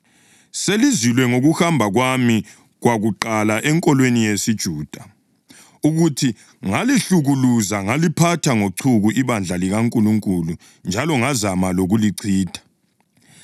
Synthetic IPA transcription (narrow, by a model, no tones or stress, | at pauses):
selizilwɛŋoɣuhambʱaɣwami | ɣwaɣuǃalaʔɛŋkʼɔlwenijesid̥ʒ̥ʱuːd̥ʱa | uɣutʰi | ŋaliɬuɣuluzaŋalipʰatʰaŋoǀʰuɣuʔiβand͡ɮʱaliɣaŋkʼuluŋkʼulu | nd͡ʒʱalɔŋazamaloɣuliǀʰiːd̥ʱḁ